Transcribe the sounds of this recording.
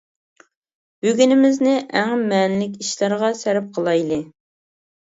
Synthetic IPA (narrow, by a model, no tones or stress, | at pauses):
b̥øɡʲynɪmɪznɪʔæŋmɛnlɪkʲiʃlæɾʁɑsæɾɪp̚qʰəlˠɑjlˠɨ